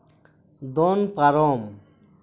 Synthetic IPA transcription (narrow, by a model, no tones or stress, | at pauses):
d̪ɔnpaɾɔm